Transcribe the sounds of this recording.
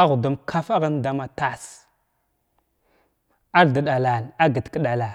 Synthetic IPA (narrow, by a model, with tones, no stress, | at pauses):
a˦ɣu˨du˦mkʰa˦fa˦ɣə˦nda˦ma˨ta˦˨s | a˦ɾda˨ɗa˨la˨la˦ɡə˨tkə˦ɗa˨la˨